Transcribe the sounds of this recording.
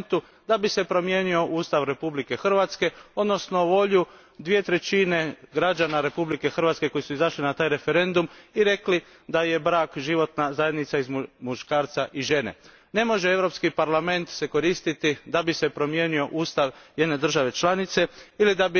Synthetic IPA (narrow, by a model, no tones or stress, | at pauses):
nt̪u | d̪abise̞pɾo̞mje̞nio̞ʔuːst̪aʋɾe̞publike̞xr̩ʋat̪ske̞o̞d̪no̞sno̞ʋo̞ʎu | d̪ʋiet̪ɾet͡ʃine̞ɡɾad͡ʒanaɾe̞publike̞xr̩ʋat̪ske̞ko̞jisuizaʃlinat̪aːjɾe̞fe̞ɾe̞nd̪umiɾe̞kli | d̪aje̞bɾaːkʒiʋo̞t̪nazaje̞d̪nit̪saizmuʃkaːɾt̪saʔiʒe̞ne̞̰ | ne̞mo̞ʒeeʋɾo̞pskipaɾlame̞nt̪se̞ko̞ɾist̪it̪id̪abise̞pɾo̞mje̞ːnio̞ʔuːst̪aʋje̞d̪ne̞d̪r̩ʒaʋe̞t͡ʃlˠanit̪se̞ilid̪abi